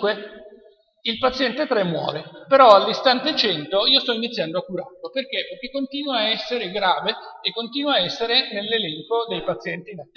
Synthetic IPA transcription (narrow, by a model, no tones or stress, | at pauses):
kwe | ilpat̪sːjɛnt̪et̪ɾɛmːwɔ̰ːlepeɾɔald̪ist̪ant̪et͡ʃɛnt̪oiːost̪ɔinit̪sːjand̪oakːuɾa̰rloperk̟eperk̟ekːont̪iːnwaːɛsːeɾeɡɾaːveːkːont̪iːnwaːɛsːeɾenelːelɛŋkod̪ejpat̪sːjɛnt̪inat̪ː